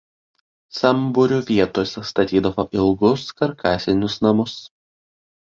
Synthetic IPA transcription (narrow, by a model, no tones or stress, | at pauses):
sɐmbʊɾʲuːʋʲiɛt̪oːsʲɛst̪ɐt̪ʲiːd̪ɐʋoːʔɪlˠɡʊskɐɾkʰɑːsʲɪnʲʊsnɐmʊs